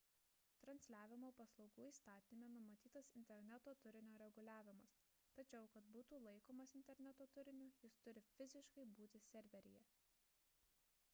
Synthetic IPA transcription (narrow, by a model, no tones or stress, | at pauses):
t̪ɾɐnʲsʲlʲæːʋʲɪmoːpɐslˠɒʊɡuːiːst̪ɑːt̪ʲɪnʲɪmʲenʊmɐt̪ʲiːt̪ɐsɪnʲt̪ʲɛɾʲnʲɛt̪oːt̪ʊɾʲɪnʲoːɾʲɛɡʊlʲæːʋʲɪmɐs | t̪ɐt͡ʃʲɛʊkɐt̪̚buːt̪uːlˠɐɪkoːmɐsɪnʲt̪ʲɛɾʲnʲɛt̪oːt̪ʊɾʲɪnʲuːjɪst̪ʊɾʲɪfʲɪzʲɪʃkɐɪbuːt̪ʲɪsʲɛɾʲʋʲɛɾʲɪjɛ